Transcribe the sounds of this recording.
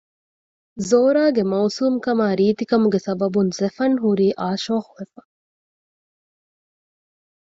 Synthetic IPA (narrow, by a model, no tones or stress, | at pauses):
zoːɾaːɡemɐwsuːmkɐmaːɾiːt̪ikɐmuɡesɐbɐbunzefɐnɦuɾiːʔaːʃoːxuʋefɐ̥